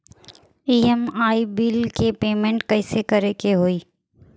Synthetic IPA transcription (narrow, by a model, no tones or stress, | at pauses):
iːɛmaːibiːlkepeːmẽɳʈkɐɪsekəɾekeɦoːiː